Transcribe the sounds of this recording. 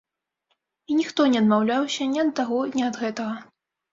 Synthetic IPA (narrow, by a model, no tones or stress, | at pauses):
inʲixt̪ɔnʲɛɐd̪mawlʲawsʲɐnʲɛɐd̪ːaɣɔnʲiɐd̪ɣɛt̪ɐɣɐ